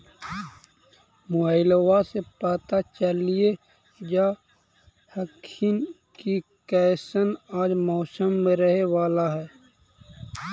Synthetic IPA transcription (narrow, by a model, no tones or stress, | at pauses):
moɪlwasepaːt̪at͡ʃəlie | d͡ʒa | həkʰin | kikɛːsənaːd͡ʒmɔːsəmːẽɾəɦewaːlaɦɛː